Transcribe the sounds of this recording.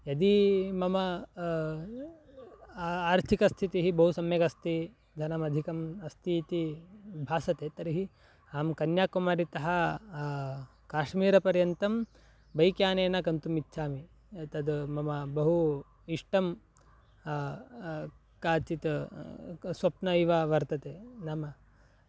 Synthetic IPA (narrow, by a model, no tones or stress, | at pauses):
jɐd̪imɐmɐ | aːɾt̪ʰikɐst̪ʰit̪iɦibɐɦusɐmjɐkɐst̪i | d̪ʱɐnɐmɐd̪ʱikɐmɐst̪ʰit̪ibʱaːsɐt̪eːt̪ɐɾiɦi | aːmkɐnjaːkumaːɾit̪ɐɦɐ | kaːʃmiːɾɐpɐɾjɐnt̪ɐm | bɐjkjaːneːnɐkɐnt̪umitːʃʰaːmi | t̪ɐd̪mɐmɐbɐɦu | iʂʈɐm | kaːt͡ʃit̪ | sʋɐpnɐiʋaʋɐɾt̪ɐt̪eːnɐmɐ